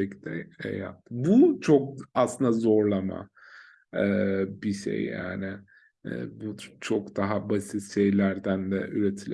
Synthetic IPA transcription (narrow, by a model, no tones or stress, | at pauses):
ɛcd̪ɛɛ̰ja̰t̪ːbut͡ʃʰokaslˠɯnd̪azo̞ɾlˠama̰ | ɛːbiʃḛjːa̰ːnɪ̰ | but͡ʃʰokd̪aɦabasit̪ʃejlʲæɾd̪ænd̪ɛ̰ʔyɾet̪ʰilʲ